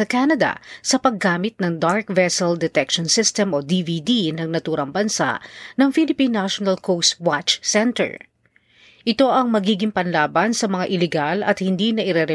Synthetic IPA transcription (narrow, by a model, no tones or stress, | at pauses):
ɐkanɐd̪ɐ̰sɐpɐɡːaːmɪt̪̚nɐŋd̪aɹkvɛsɛld̪ɛt̪ɛkʃonsɪst̪ɛmʔod̪iːvid̪inɐŋnɐt̪uːɾɐŋbɐnsa̰ʔnɐŋfilɪpinːaʃonɐlkʰowst̪wat͡ʃsɛnt̪ɛ̰ɹ | ʔɪt̪o̞ʔɐŋmɐɡiːɡɪŋpɐnlaːbɐnsɐmɐŋaʔɪlɛɡalɐ̰t̪̚hɪnd̪inɐʔɪɾɛɾɛ